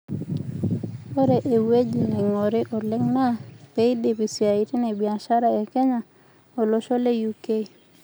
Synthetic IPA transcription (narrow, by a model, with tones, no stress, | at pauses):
o˦ɾe˨ʔe˨we˦d͡ʒi˨nɛ˨ŋo˨ɾɪ˦ʔɔ˨lɪ˦ŋna˦pe˦i˦de˨pi˨si˨a˨i˦ti˦ne˨bia˨ʃa˦ɾae˨kɛ˦ɲa˨ | o˨lo˦ʃo˦le˦juke˦